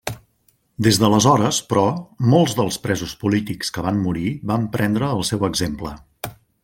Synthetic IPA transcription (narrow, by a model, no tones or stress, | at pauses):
d̪ezðələzɔɾəspɾɔmolˠzðəlˠspɾɛzuspulit̪ikskəβamːuɾiβampɾʔɛnd̪ɾəːlˠsɛwəɡzemplə